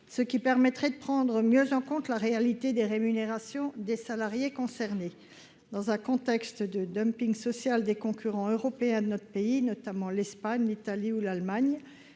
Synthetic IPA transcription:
səkʲipɛʁmɛt̪χɛd̪əpχɑ̃d̪ʁəmjøzɑ̃kɔ̃t̪laʁealit̪ed̪eʁemyneʁasjɔ̃d̪esalaʁjekɔ̃sɛʁne | d̪ɑ̃zɛ̃kɔ̃t̪ɛkst̪d̪əd̪œmpiŋsɔsjald̪ekɔ̃kʰʲyʁɑ̃øʁɔpeɛ̃d̪ənɔt̪χəpeinɔt̪amɑ̃lɛspaɲlit̪aliulalmaɲ

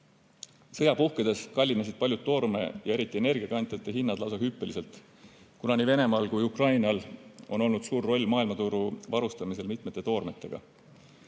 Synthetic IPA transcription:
sɤ̞jɑpuhked̪̥e̞skɑlʲːinɑsid̪̥̚pɑljud̪ːo̞ːrme̞̰jɑe̞ɾit̪ˑːie̞ne̞rɡ̥iɑkɑnt̪ˑjɑt̪ːˑeɦinːɑd̪lɑwsɑhypːˑelise̞lt̪ˑ | kunɑnive̞ne̞mɑːlkujukrɑjnɑlo̞no̞lnud̪̥suːrːo̞lʲmɑːilmɑt̪uɾuvɑɾust̪ɑmise̞lmit̪ˑme̞t̪ːˑe̞t̪o̞ːrme̞t̪ˑːe̞̰ɡ̥ɑ̰

